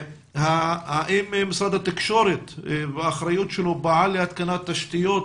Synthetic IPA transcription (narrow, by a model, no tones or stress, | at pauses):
hahaʔimmɪsˤɑːd̪at̪ːɪkʃoɾɪtbaxɾˤajut̪ʃɪlʊbaʕalihat̪̚kanat̪ːaʃt̪ɪjot̪